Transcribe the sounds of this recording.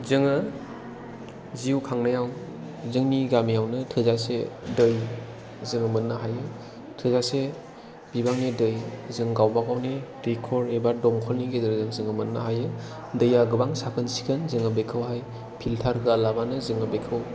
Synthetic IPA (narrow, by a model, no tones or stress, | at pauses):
zɯŋɯ | ziukʰaŋnajaw | zɯŋniɡamijawnɯtʰɯzasedɯj | zɯŋɯmɯnːaɦajɯ | tʰɯzase | b̥ibaŋnedɯjzɯŋɡawbaɡawne | ɾikʰɔɾebadɔŋkʰɔlniɡezaɾzɯŋzɯŋɯmɯnːaɦajɯ | dɯjaɡɯbaŋsakʰɯnsi̥kʰɯnzɯŋɯbekʰɯwɦaj | pʰiltʰaɾkɯalabanɯzɯŋɯbekʰɯw